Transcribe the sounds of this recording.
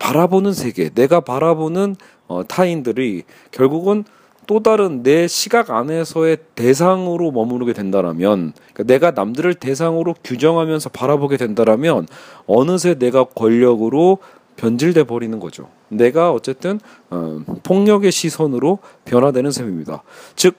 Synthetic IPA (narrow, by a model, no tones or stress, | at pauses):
paɾabonɯnsʰe̞ɡe̞̰ne̞ɡapaɾabonɯn | ʌtʰaindɯɾi | kjʌɭɡuɡɯn | t͈odaɾɯnːe̞ɕʰiɡaɡane̞sʰʌe̞te̞s̬ʰaŋɯɾomʌmɯɾɯɡe̞dwe̞ndaɾa̰mjʌnik͈ane̞ɡana̰mdɯɾɯɭte̞s̬ʰaŋɯɾokjud͡ʑʌŋɦamjʌnsʰʌpaɾaboɡe̞dwe̞ndaɾamjʌnʌnɯs̬ʰe̞ne̞ɡakwʌʎːʌɡɯɾo | pjʌnd͡ʑiɭde̞bʌɾinɯnɡʌd͡ʑo̰ | ne̞ɡaʌt͡ɕ͈e̞t͈ɯn̰ | pʰoŋɲʌɡe̞ɕʰisʰʌnɯɾopjʌnɦadwe̞nɯnsʰemimɲida̰t͡ɕɯk̚